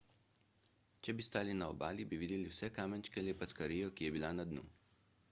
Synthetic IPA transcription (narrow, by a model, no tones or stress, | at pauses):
t͡ʃɛbist̪aːlinaɔ̰baːlibiʋiːd̪ɛliwsɛkaːmɛnt͡ʃkɛljɛpat̪skaɾiːjɔkijɛbilanad̪nṵ